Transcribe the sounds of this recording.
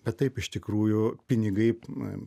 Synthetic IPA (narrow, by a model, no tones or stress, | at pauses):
bʲɛt̪t̪ːɐɪpɪʃt̪ʲɪkɾuːjʊpʲɪnʲɪɡɐɪ